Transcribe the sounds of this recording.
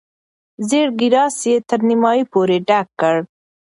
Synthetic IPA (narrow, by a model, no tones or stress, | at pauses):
zeɽɡɪɾɑsjet̪əɾnimɑjipoɾeɖakːəɽ